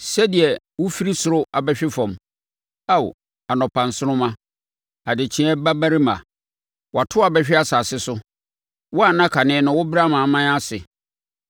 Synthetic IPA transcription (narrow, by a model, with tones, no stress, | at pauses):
sɛ˦di˨ɛ˨ | wʊ˦fi˦ɾi˦sʊ˨ɾʊ˦a˨bɛ˦ɕᶣɪ˦fɔ̃˨m | a˦w̰ | a˨nɔ̃˨pʰã˨n˨sʊ˦nʊ̃˦mã˦ | a˨dɪ˨t͡ɕʰĩ˦ɛ˦ba˦ba˦ɾi˦mã̰˨ | wɔ˨a˨tʰʊ˦a˨bɛ˦ɕᶣɪ˦a˦sa˨sɪ˦sʊ˦ | wɔ˦a˨nã˦kʰa˨nɪ̃˦nʊ̃˨˦wʊ˦bɪ˦ɾa˦mã˨mã˦a˦sɪ˨